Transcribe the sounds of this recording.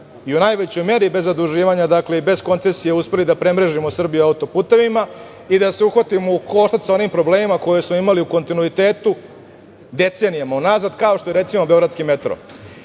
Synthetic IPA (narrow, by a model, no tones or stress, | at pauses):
iunajʋe̞t͡ɕo̞jme̞ɾibe̞zːad̪uʒiːʋaɲad̪akle̞ibe̞zko̞nt̪se̞sijeuspe̞lid̪apɾe̞mɾeʒimosr̩bijuaut̪o̞puːt̪e̞ʋima | id̪aseuxʋat̪imouko̞ʃt̪at̪ʲsao̞niːmpɾo̞bleːmimako̞jesmo̞imaliuko̞nt̪inuit̪e̞ːt̪u | d̪e̞t̪senijamaunaːzad̪kao̞ʃt̪oe̞ɾe̞t̪simobeo̞ɡɾad̪skime̞t̪ɾo̞̰